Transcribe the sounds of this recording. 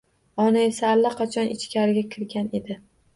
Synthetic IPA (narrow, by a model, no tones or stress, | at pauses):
ɒnaesaːlːaqʰɑt͡ʃʰɒnʔɪt͡ʃkʲʰaɾɪɡʲakʲʰɪɾɡʲane̞d̪ɪ